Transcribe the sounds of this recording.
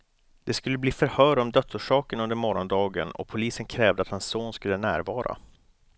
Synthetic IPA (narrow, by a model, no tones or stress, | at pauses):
d̪̥ɛskɵlːəbliːfœɾhœːɾɔmd̪œt̪suːʂɑːkənɵnd̪əɾmɔɾɔnd̪ɑːɡə̰nɔ̰pʰʊliːsənkʰɾɛːvd̪əat̪hansːoːnskɵlːənæːɾvɑːɾa̰